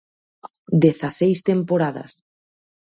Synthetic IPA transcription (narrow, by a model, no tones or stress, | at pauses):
d̪eθasejst̪empoɾaðɐ̰s